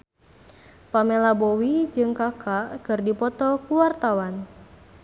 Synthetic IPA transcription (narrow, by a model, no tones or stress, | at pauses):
pamelabɔwid͡ʒɨŋkakʰakɨrdipɔt̪ɔkuwart̪awan